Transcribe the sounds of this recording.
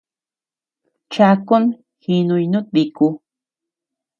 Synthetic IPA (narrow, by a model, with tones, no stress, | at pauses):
t͡ʃa˧ko˦n | hi˧nũ˧jnũ˦t̪̚bi˧ku˧